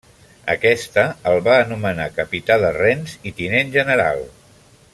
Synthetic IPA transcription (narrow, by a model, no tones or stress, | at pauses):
ə̰kɛst̪əəlˠβaːnumənakəpit̪aðərɛnzit̪inenʲʒənəɾa̰lˠ